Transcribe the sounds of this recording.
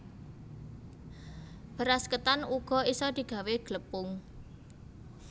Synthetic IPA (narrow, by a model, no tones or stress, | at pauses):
b̥ə̤ɾaskət̪anuɡ̥ɔ̤isɔd̪̥i̤ɡ̥a̤weɡ̥ləpʊŋ